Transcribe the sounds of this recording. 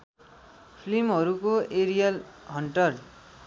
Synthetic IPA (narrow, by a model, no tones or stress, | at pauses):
pʰlimɦʌɾukoeɾijalɦʌɳʈʌr